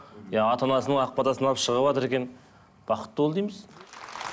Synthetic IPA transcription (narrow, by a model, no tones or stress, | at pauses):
jɑɑt̪ɑnɑsənəɴɑq̚pɑd̪ɑsənɑlˠəpʃəʁəβɑt̪əɾe̞kʲe̞n | b̥ɑqə̥t̪ːəwolˠd̪ijməz